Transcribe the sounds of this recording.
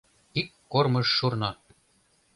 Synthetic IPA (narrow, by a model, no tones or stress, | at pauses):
ikːormɤ̆ʃːurnɑ